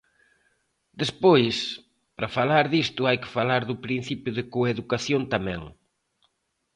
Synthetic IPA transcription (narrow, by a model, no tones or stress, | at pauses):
d̪espojs | pɾɐfalaɾðist̪ʊajkɪ̥falaɾðʊpɾin̟θipjʊðɪkoeðukaθjont̪amɛ̰̃ŋ